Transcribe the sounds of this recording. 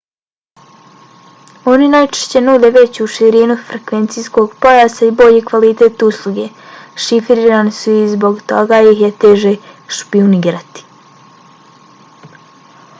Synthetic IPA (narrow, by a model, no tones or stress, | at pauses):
o̞ninajt͡ʃe̥ʃt͡ɕe̞nuːd̪e̞ʋe̞t͡ɕuʃiɾinufɾe̞kʋe̞nt̪sisko̞ɡpo̞jasaibo̞ʎikʋalit̪e̞ːt̪uslˠuɡe | ʃifɾiɾanisuizbo̞ɡt̪o̞ɡajiɦjet̪e̞ːʒeʃpiuniɡɾat̪i̥